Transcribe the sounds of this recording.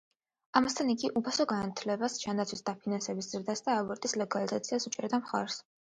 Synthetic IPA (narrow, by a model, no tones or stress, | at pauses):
amast̪ʰaniɡiʔupʰasɔɡanat̪ʰlɛbasd͡ʒand̪at̪sʰwisd̪apʰinansɛbisz̥ɾd̪asd̪aːvɛɾt̪ʼislɛɡalizat̪sʰiasut͡ʃʼɛɾd̪amχa̰ɾs